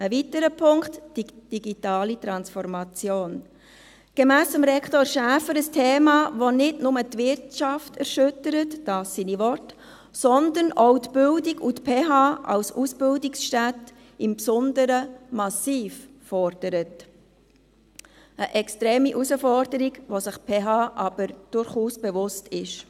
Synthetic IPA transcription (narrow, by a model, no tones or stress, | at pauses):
əvitəɾəpʰʊŋktd̥id̥iɡitɑːlit̪ɾɑnsfɔɾmɑt͡sjoːn | ɡ̥emæːsəmɾɛkʰtɔɾʃæːfəɾəstʰeːmɑvonɪdnʊmətʋɪɾtʃɑftʰɛɾʃʏtəɾətd̥ɑːsːinivɔrt | sɔnd̪ənɔʊtb̥ʏldiɡutpʰeːɦɑːʔɑ̰lsusb̥ɪldiksʃtæt | ɪmpsɔnd̪əɾəmɑsiːffɔɾd̥əɾət | əʔɛkstɾeːmiʔusəfɔɾd̥əɾiɡʋosɪχpʰeːɦɑːʔɑb̥əɾd̥ʊɾχuːsb̥evʊstɪʃ